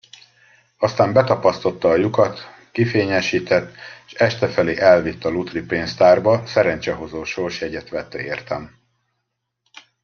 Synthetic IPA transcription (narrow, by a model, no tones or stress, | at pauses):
ɒst̪aːmbɛt̪ɒpɒst̪o̞t̪ːɒːjukɒt̪ | kifeːɲɛʃiːt̪ɛt̪ːʃɛʃt̪ɛfɛleːʔɛlvit̪ːɒlut̪ripeːnst̪aːrbɒsɛɾɛnt͡ʃɛɦo̞zoːʃorʃjɛɟɛt̪ʋɛt̪ːɛeːrt̪ɛm